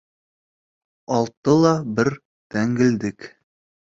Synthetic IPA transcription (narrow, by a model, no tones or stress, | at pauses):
ɒlˠt̪ːɤlˠɑbɘɾ | t̪æŋɡɘ̆ld̪ɘk